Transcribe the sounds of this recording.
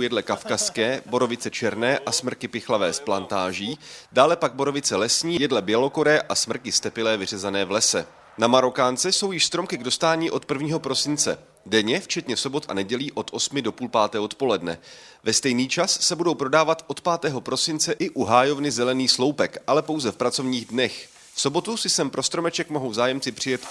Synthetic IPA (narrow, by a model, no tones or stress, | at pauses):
jɛdlɛkafkaskɛːbo̞ɾo̞vɪt͡sɛt͡ʃɛɾnɛːʔasmr̩kɪpɪxlavɛːsplant̪aːʒiːdaːlɛpaɡ̚bo̞ɾo̞vɪt͡sɛlɛsɲiːjɛdlɛbjɛlo̞ko̞ɾɛːʔasmr̩kɪst̪ɛpɪlɛːvɪr̝ɛzanɛːvlɛsɛ | namaɾo̞kaːnt͡sɛso̞wjɪʃst̪ɾomkɪɡdo̞st̪aːɲiːʔo̞t̪̚pr̩vɲiːɦo̞pɾo̞sɪnt͡sɛ̰ | dɛɲɛft͡ʃɛt̪ɲɛso̞bo̞t̪ʔa̰nɛɟɛliːʔo̞t̪ʔo̞smɪdo̞puːlpaːt̪ɛːɦot̪po̞lɛdnɛ̰vɛst̪ɛjniːt͡ʃasːɛbudo̞wpɾo̞daːvat̪ʔo̞t̪paːt̪ɛːɦo̞pɾo̞sɪnt͡sɛʔɪʔuɦaːjo̞vnɪzɛlɛniːslo̞wpɛkʔalɛpo̞wzɛfpɾat͡so̞vɲiːɣdnɛx | fso̞bo̞t̪usɪsɛmpɾo̞st̪ɾo̞mɛt͡ʃɛkmo̞ɦowzaːjɛmt͡sɪpr̥ɪjɛt̪